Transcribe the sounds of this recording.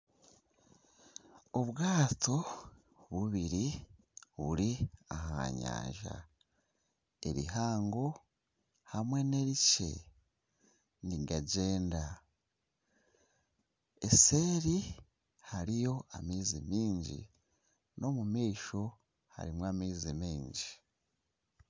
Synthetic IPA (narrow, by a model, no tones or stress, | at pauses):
oβɡaːtʰo̞ | βuβiɾi | βṵɾiaha̰ːɲa̰ːɲʒa̰ | e̞̰ɾḭɦaːŋɡo̞ | hamwe̞ne̞ɾice̞̰ | niɡaɟe̞ːnda | ese̞ːɾi | haɾijo̞amiːzimiːɲɟḭ | no̞mumiːʃo̞ | ha̰ɾimwaːmiːzimiːɲɟi